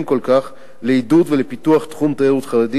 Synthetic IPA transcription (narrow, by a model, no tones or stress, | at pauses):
mko̞lkaχ | leid̪ud̪velepit̪uaχt̪χumt̪aeʁut̪χaʁed̪i